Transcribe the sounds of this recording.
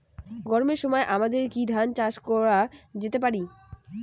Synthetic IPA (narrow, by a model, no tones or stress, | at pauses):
ɡɔɾmeɾʃɔmɔeʔamad̪eɾkid̪ʱant͡ɕaʃkɔɾad͡ʑet̪ep̬aɾi